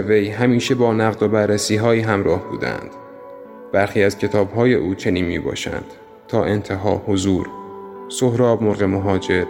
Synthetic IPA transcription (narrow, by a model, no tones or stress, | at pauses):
vejɦæmiːʃe̞bɒːnæɣd̪obæɾːæsiːɦɒːjiːɦæmɾɒːhb̥ṵːd̪æ̰nd̪̥ | b̥æɾxiːæzcʰe̞t̪ʰɒːbɦɒːje̞ʔuːt͡ʃʰe̞niːnmiːbɒ̰ːʃæ̰nd̪̥ | t̪ʰɒːʔe̞nt̪ʰe̞ɦɒ̰ːhozuːɾsohɾɒːbmoɾɣe̞moɦɒːd͡ʒe̞ɾ